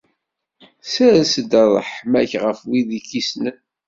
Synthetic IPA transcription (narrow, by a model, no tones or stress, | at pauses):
sæɾsəd̪ɑðˤə̰ħmæçʁəfwiðikisnən